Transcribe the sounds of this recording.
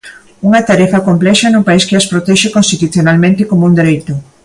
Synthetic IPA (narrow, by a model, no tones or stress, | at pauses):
uŋɐt̪aɾɛfɐkomplɛʃɐnupaiskɪaspɾot̪ɛʃɪkonst̪it̪uθjonalmẽnt̪ɪkomound̪eɾejt̪ʊ